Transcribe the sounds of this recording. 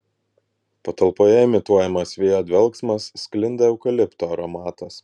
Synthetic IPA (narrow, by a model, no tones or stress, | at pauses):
pɐt̪ɐlˠpoːjɛɪmʲɪt̪uɔjɛmɐsʋʲeːjoːd̪ʲʋʲɛlˠksmɐsːʲklʲɪnd̪ʲeɛʊkɐlʲɪpt̪oːɐɾɔmɑːt̪ɐs